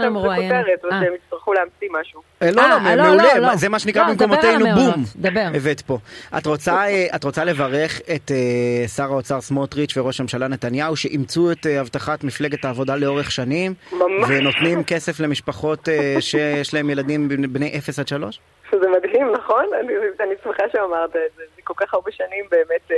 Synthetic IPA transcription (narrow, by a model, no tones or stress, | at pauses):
kteʁet̪vʃemitst̪aʁχuleamt͡simaʃu | eloamemeulemazemaʃenikʁabimkomatejnubumd̪abeevet̪po̞ʔa̰t̪ʁot͡saeʔatʁo̞t͡sale̞vaʁe̞χetesaʁaot͡saʁsmot̪ʁit͡ʃveʁo̞ʃmemʃalane̞t̪anjauʃe̞ʔimt͡sueteavtaχatmifle̞ɡe̞taːvo̞daleo̞ʁeχʃanimmamveno̞t̪nimke̞se̞fle̞miʃpaχo̞teʃejeʃlaemjeladimbnbne̞jʔefesadʃalo̞ʃ | ʃezemadhimnaχo̞nanianismeχaʃeamaʁt̪aezezɛkolkaχaʁbeʃanimbeːmet